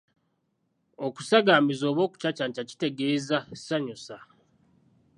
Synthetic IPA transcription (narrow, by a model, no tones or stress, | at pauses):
oku̥saɡaːmizo̞ːβo̞ːku̥t͡ʃacantaci̥te̞ɡe̞ːzasaɲusa